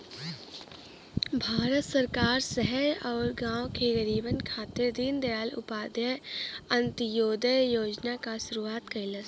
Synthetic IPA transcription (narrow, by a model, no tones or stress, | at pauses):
bʱaːɾət̪səɾkaːɾsəɦɛɔːɾɡãːõkeɡəɾiːbənkʰaːt̪ɪɾd̪ind̪ɐjaːlʊ̰paːd̪jəə̃nt̪joːd̪əjoːd͡ʒnakaʃʊɾuaːt̪kɐilə